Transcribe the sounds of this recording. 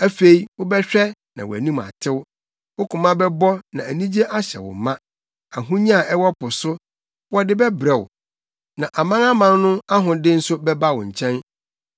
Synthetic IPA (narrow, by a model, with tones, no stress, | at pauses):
æ˦fe˨i˨wʊ˦bɛ˦ɕᶣɛ˦nã̰˨w̰æ̰˨nĩ˦ma̰˨tʰɪ˦w | wʊ˦kʰʊ̃˨mã˦bɛ˦bɔ˦nã˨æ˨nĩ˦d͡ʑe˦ʔa˦ɕɛ̰˨wʊ̰˨mã˦ | a˨ɦũ˦ɲĩ˦a˨ɛ˦wɔ˦pʊ˨sʊ˦ | wɔ˦dɪ˦bɛ˦bɾɛ˨wʊ̰˨ | nã˨ʔa˨mã˦ŋa˦mã˦nnʊ̃˦a˦ɦʊ̃˨dɪ˦n̩˦sʊ˦bɛ˦ba˦wɔ̰̃˨ɲ̩˨t͡ɕʰɛ̃˦n